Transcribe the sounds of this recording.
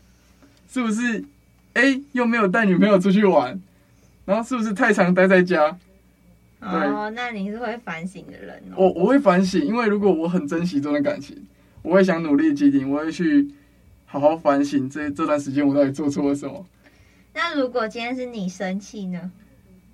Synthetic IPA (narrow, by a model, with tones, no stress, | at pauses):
ʂɻ̩˥˩bu˨˩ʂ̬ɻ̩˥˧˨ | e˦ɪjo˥˨˩me˧˥ɪjo˨˩ʊt̪̬a˥˩ɪny˨˩me˧˥jo˨ʊʈ͡ʂʰu˥t͡ɕʰy˥˩wa˨˦n | na˨˧˦o˥˧ʊʂɻ̩˥˩bu˩ʂ̬ɻ̩˥˧t̪ʰa˥˩ɪʈ͡ʂʰɑ˧˥ŋt̪̬a˥ɪt͡sa˥˩ɪt͡ɕja˦ | we˥˩ɪna˥˨ni˨˩ʂɻ̩˥˧xwe˥˩ɪfa˧˦nɕi˨˩ŋd̪ə̰˨ɻə̰˧˦nwɔ˨˦wʔɔ˨xwe˥˩ɪfa˧˦nɕ̬i˨˩ŋi˥˦nwe˥˩ɪɻu˧˥kwɔ˨˩wɔ˧˦xə˨˩nt͡sə˦nɕ̬i˨˥t͡so˥ŋd̪ə˨ka̰˨˩nt͡ɕʰḭ˨˦ŋ | wɔ˨˩xwe˥˩ɪɕ̬jɑ˨˦ŋnu˨˩li˥˩ə˨t͡ɕi˧˥t̪i˨˩nwɔ˨xwe˥˧˩ɪt͡ɕʰy˥˩ | hɑ˨˩ʊxɑ˥˩ʊfa˧˦nɕi˨˩ŋt͡sə˥˧˩t͡sə˥˧t̪wa˥˩nʂ̬ɻ̩˧˥t͡ɕjɛ˥nwɔ˨˩t̪ɑ˥˩i˨˩t͡swɔ˥˩t͡sʰu˥lə˨˩ʂə˨˦mɐ̰˨˦ | na˥˩ɻu˨˦kwɔ˨˩t͡ɕi˥˦nʰa˥nʂɻ̩˥˩ni˨˩ʂə˦nt͡ɕʰi˥˩nə˨